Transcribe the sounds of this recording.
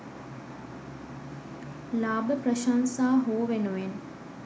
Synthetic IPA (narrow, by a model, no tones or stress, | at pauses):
laːbəpɾəʃaːnsaːɦoːʋenuʋen